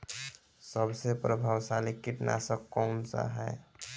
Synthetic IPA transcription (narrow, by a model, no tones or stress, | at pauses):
səbsepɾəbʱaːwsalikiʈna̰səkːɔmsa̰ɦɛː